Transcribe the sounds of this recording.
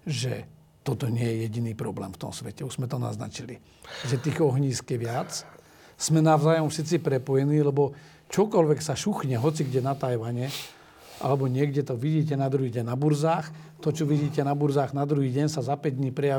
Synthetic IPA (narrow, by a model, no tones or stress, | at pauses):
ʒɛ̰ | t̪ɔt̪ɔɲɪɛjɛjɛɟiniːpɾɔblɛ̰ːmft̪ɔ̰msʋɛcɛuʒzmɛt̪ɔna̰zna̰t͡ʃili | ʒɛt̪iːɣɔɦɲiːskɛʋɪat͡s | z̥mɛnaʊzaːjɔmfsit͡sipɾɛpɔjɛniːlɛbɔ | t͡ʃɔkɔlʋɛksaʃuxɲɛɦɔt͡siɡɟɛnat̪ajʋaɲɛ | ʔa̰lɛbɔɲɪɛɡɟɛt̪ɔʋiɟiːc̬ɛnad̪ɾuɦiːɟɛɲnabuɾzaːxt̪ɔt͡ʃɔʋiɟiːcɛnabuɾzaːɣnad̪ɾuɦiːɟɛɲsazapɛɟd̪ɲiːpɾɛja